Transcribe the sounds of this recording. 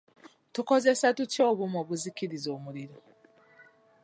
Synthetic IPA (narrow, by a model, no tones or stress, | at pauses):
tuko̞ze̞satutjo̞ːβumoːβuzikiɾizoːmuɾiɾo